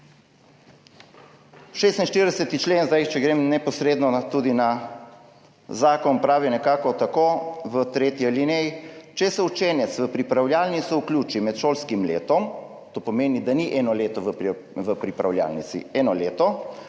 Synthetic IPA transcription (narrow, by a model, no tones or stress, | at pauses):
ʃeːst̪ninʃt̪iɾd̪ɛsɛt̪it͡ʃleːnzd̪ajt͡ʃɛɡɾeːmnɛpɔsɾeːd̪nɔt̪uːd̪ina | zaːkɔnpɾaːʋinɛkaːkɔt̪akoːʋət̪ɾeːt̪jɛlinɛjit͡ʃɛsɛut͡ʃeːnɛt̪sʋəpɾipɾawljaːlnit̪suuklʲjuːt͡ʃimɛt̪ʃoːlskimlḛːt̪ɔm | t̪oːpɔmeːnid̪aniʔɛːnɔleːt̪ɔʋə | ʋəpɾipɾawlja̰ːlnit̪sḭɛːnɔleːt̪ɔ